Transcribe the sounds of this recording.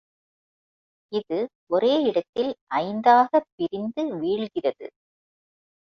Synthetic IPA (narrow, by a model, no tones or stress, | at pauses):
ɪðɯ | ɔɾeːɪɽɐt̪ːɪlʔɐɪnd̪aːɣɐpːɪɾɪnd̪ɯʋiːɻɣɪrɐðɯ̰